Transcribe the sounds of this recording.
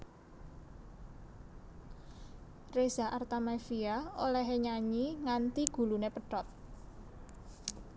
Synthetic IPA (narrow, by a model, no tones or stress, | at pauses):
rez̥aʔart̪amafiaolɛɦeɲaɲiŋant̪iɡ̥ṳlunepəɖɔt̪̚